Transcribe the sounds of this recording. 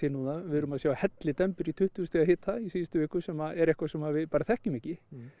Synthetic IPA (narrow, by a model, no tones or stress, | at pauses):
ɪnuːnavɪðɾʏmaðsjaːwahɛt̪lɪt̪ɛmpʏɾit̪ʰʏht̪ʏst̪ɛaɦɪːt̪θaisiːst̪ʏvɪːhkʏsɛmaɛɾɛhkvasɛmhavɪðpaːɾaθɛhcʏmɛhcɪ